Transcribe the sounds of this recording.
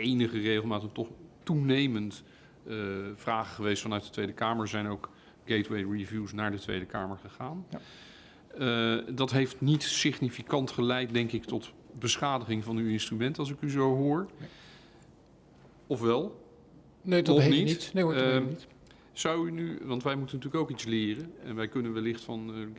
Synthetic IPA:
ejnəχərejχlˠmaːtətɔχtunejmənt | v̥raːχəχəʋejstfɑnœɥt̚dətʋejdəkaːməɹzɛjnowk | ɡ̥ejtwejɹivjusnaːɹdətʋḛjdəkaːməɹχəχaːn | dɑtɦejftnitsɪχnifikɑntχəlɛjt̚dɛŋkɪktɔt | bəsχaːdəχɪŋvɑnyɪnstrymɛntɑlˠs̬ɪkyzowɦʊːɹ | ɔfʋɛlˠ | neɔnitne | zɑwynyʋɑntʋɛjmutənːətyːləkowkitslɪːrənɛnʋɛjkɵnənʋɛlɪχtfɑn

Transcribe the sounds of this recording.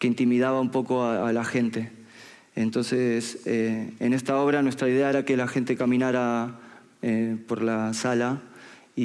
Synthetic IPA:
keint̪imiðaβaumpo̞ko̞aalaxe̞nt̪e̞ | ḛnt̪o̞nse̞seenest̪ao̞βɾanwest̪ɾaiðe̞aeɾake̞laxe̞nt̪e̞kamĩnaɾa | epo̞ɾlasala | i

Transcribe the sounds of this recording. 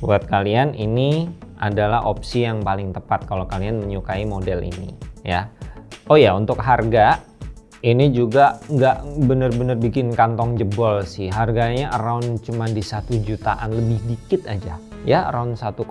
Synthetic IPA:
buat̪̚kalianḭniʔa̰dalaɦʔop̚sijaŋpalɪŋt̪əpat̪̚kalokalianməɲukaimodɛlḭnḭja | ojaunt̪ʊkɦarɡa | inid͡ʒuɡaŋɡaʔbənərbənərbikɪnkant̪ɔŋd͡ʒəbɔlsɪhɦarɡaɲaʔəɾaʊnt͡ʃumandisat̪ud͡ʒut̪aʔanləbɪhdikɪt̪ad͡ʒa | ja̰ɾaʊnsat̪u

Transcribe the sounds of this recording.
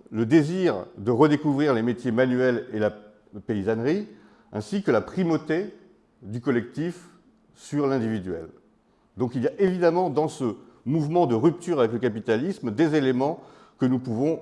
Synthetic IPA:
ləd̪eziʁd̪əʁəd̪ekuvʁiʁlemet̪jemanyɛlela | peizanʁi | ɛ̃sikəlapχimot̪e | d̪ykɔlɛk̚t̪if | syʁlɛ̃d̪ivid̪ɥɛ̰l | d̪ɔ̃kiljaʔevid̪amɑ̃d̪ɑ̃səmuvmɑ̃d̪əʁyp̚t̪yʁavɛkləkap̬it̪alismd̪ezelemɑ̃ | kənupuvɔ̃

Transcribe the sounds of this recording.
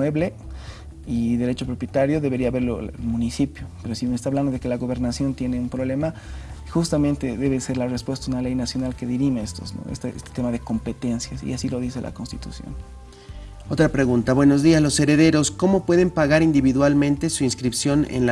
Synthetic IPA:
weβle̞ | iðe̞ɾe̞t͡ʃo̞pɾo̞pjet̪aɾjo̞ðe̞βe̞ɾiaβe̞ɾloḛlmũnisipjope̞ɾosimest̪aβland̪oðe̞ke̞laɣo̞βe̞ɾnasjo̞nt̪je̞neumpɾo̞βle̞maxust̪amẽ̞nt̪e̞ðe̞βe̞se̞ɾlarespwe̞st̪aunale̞jnasjo̞nalke̞ðiɾimeest̪ozno̰est̪aest̪et̪e̞maðeko̞mpe̞t̪e̞nsjasḭasilo̞ðise̞lʔa̰konst̪i̥t̪usjo̰n | ot̪ɾapɾe̞ɣunt̪aβwe̞no̞zðiazlo̞se̞ɾe̞ðe̞ɾo̞sko̞mo̞pwe̞ðe̞mpaɣaɾind̪iβiðwalmẽnt̪e̞suinskɾipsjo̞nḛnla

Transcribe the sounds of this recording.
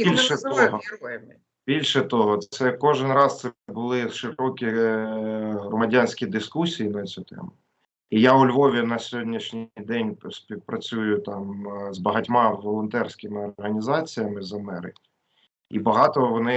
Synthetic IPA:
bilʲʃɛt̪ɔɦɔ | b̥ʲilʲʃɛt̪ɔɦɔsɛkɔʒɪnɾɑst̪sɛbʊlˠɪʃɪɾɔkʲi | ɦɾɔmɐdʲanʲsʲkʲid̪ɪskusʲijinɐt͡sʲut̪ɛ̰mʊ | ijaʊlʲʋɔʋʲinɐsʲɔɦɔdʲnʲiʃnʲijd̪ɛnʲsʲpʲiwpɾʔɐt͡sʲujʊt̪ɑmzbɐɦɐtʲmɑʋɔlˠɔnt̪ɛrsʲkɪmɪɔrɦɐnʲizɑt͡sʲijɐmɪzɐmɛɾɪ̰kʲ | ḭbɐɦɑt̪ɔʋɔnɪ

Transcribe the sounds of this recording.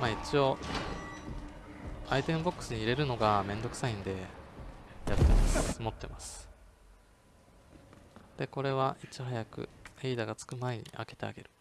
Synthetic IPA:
mait͡ɕio̞ | ait̪ẽ̞mbo̞kːɯ̟̥sɨɲ̟iiɾe̞ɾɯ̟no̞ɡamẽ̞nd̪o̞kɯ̥saĩnd̪e̞ | jat̪ːe̞masmo̞t̪ːe̞masɨ̥ | d̪̥e̞ko̞ɾe̞βaʔit͡ɕiɦajakɯ̟̰eid̪aɡat͡sɨ̥kɯ̟maeɲ̟ḭa̰ke̞̥t̪e̞a̰ɡe̞ɾɯ̟

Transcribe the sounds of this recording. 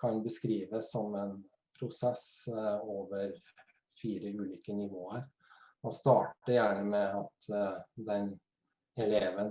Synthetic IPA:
kʰɑnbəskɾiːʋəsːɔmɛn | pʰɾʊsɛsoːʋəɾ | fiːɾəʉːliːkənɪʋoːəɾ | ɔst̪ɑːʈəjæːɳəmɛɑt̪d̪ɛn | ɛleːʋən

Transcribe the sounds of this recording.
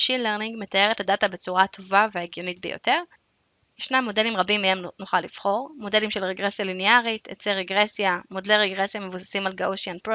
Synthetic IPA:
ʃinleʁniŋɡmet̪aje̞ʁethadatabe̞t͡suʁat̪ʰo̞vaveeɡjo̞nitbejo̰te̞ʁ | jeʃnamːo̞de̞limʁabimeemnoχalːiv̥χo̞ʁmo̞de̞limʃelʁeɡʁesjalineaʁit̪ḛt͡seʁeɡʁesjamodleʁeɡʁesjame̞vusḁsimalɡauʃjanpʁo

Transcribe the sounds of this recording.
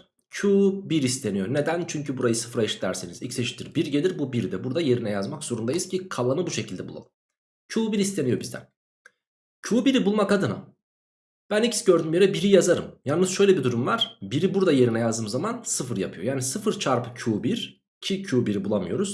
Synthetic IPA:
cʰuːbiɾist̪ʰe̞nijo̞ne̞d̪ænt͡ʃʰyɲcʰybuɾajɯsɯ̥fɾaiʃi̥t̪ːæ̰ɾsinizḭcseʃi̥t̪ʰiɾbiɾɟe̞lʲiɾbubiɾd̪ɛbuɾd̪aje̞ɾinɛjazmakz̥o̞ɾund̪ajiz̥cʰikʰalˠanɯbuʃe̞cʰilʲd̪ɛbulˠa̰ɯm | cʰuːbiɾist̪ʰe̞nijo̞bizd̪æ̰n | cʰuːbiɾibulˠmakad̪ɯna̰ | b̥ænicsɟøɾd̪ymjeɾɛbiɾijazaɾɯ̰mjalnnɯzʃøjlʲɛbid̪uɾumvaɾ̥biɾibuɾd̪aje̞ɾinɛjazd̪ɯmzamansɯfɯɾja̰pʰɯjo̞jaːnisɯfɯɾt͡ʃʰaɾpɯ̥cʰuːbiɾ̥ | cʰicʰuːbiɾibulˠamɯjo̞ɾuz̥

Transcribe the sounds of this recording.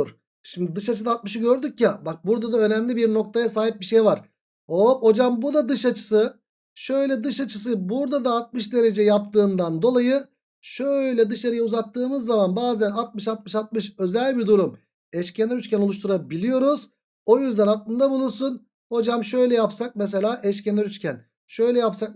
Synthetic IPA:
ɾ | ʃimd̪id̪ɯʃat͡ʃʰɯd̪at̪̚mɯʃɯɟø̞ɾd̪ycjabak̚buɾd̪ad̪aø̞næmlʲibiɾno̞k̚t̪ʰajasaːɦip̚biʃe̞jvaɾ̥ | opo̞d͡ʒambud̪ad̪ɯʃat͡ʃʰɯ̥sɯ | ʃø̞jlʲɛd̪ɯʃat͡ʃʰɯsɯbuɾd̪ad̪aːt̪̚mɯʃd̪e̞ɾe̞d͡ʒɛjap̚t̪ɯːnd̪and̪o̞lˠajɯ | ʃøjlʲɛd̪ɯʃaɾɯjauzat̪ːɯːmɯzːamanbaːzænat̪̚mɯʃat̪̚mɯʃat̪̚mɯʃø̞zælʲbid̪uɾum | ɛʃcʰenɛɾyt͡ʃcʰʲæno̞lˠuʃt̪ʰuɾabilʲijo̞ɾuz | o̞jyzd̪ænat̪lˠɯnd̪abulˠuɾsun | ho̞d͡ʒamʃø̞jlʲɛjapsak̚mɛs̬e̞lʲaːʔɛʃcenæɾyt͡ʃcʲʰæn | ʃø̞jlʲɛjapsak̚

